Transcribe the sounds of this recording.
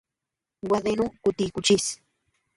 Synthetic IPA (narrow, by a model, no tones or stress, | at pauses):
wad̪enukʊt̪ikʊt͡ʃɪs